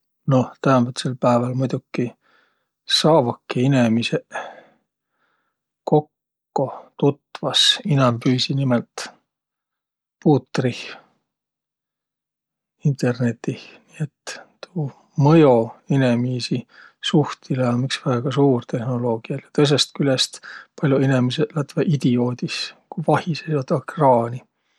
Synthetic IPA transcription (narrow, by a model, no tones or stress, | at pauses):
no̞ht̪æhɑbet̪selpæevɑlmujd̪̥ukːi | sɑːvukːiinemise | ko̞kː | o̞t̪ut̪vɑsinɑmpyːsinimelt̪ | puːt̪rih | int̪ˑe̞rne̞t̪ːihniet̪ːt̪uː | mɤjo̞inemiːsi | suht̪ileɑmiksvæːɡ̥ɑsuːrt̪e̞hnolo̞ːɡ̥iɑjɑt̪ɤjs̬est̪kylest̪pɑlʲjuinemiselɑt̪veʔid̪̥io̞ːd̪iskuvɑhisejot̪ːɑkrɑːnʲi